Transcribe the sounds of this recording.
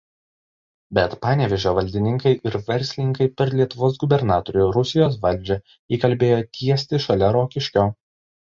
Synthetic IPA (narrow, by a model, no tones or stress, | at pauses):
bʲɛt̪pɑːnʲeːʋʲɛʒʲoːʋɐlʲd̪ʲɪnʲɪŋkɐɪʔɪɾʋʲɛɾʲsʲlʲɪnʲɪŋkɐɪpʲɛɾlʲiɛt̪ʊʋoːs̬ɡʊbʲɛɾnɑːt̪oɾʲʊɾʊsʲɪjoːsʋɐlʲˑd͡ʒʲɛ | iːkɐlʲbʲeːjoːt̪ʲiɛsʲt̪ʲɪʃɐlʲɛɾoːkʲɪʃʲkʲoː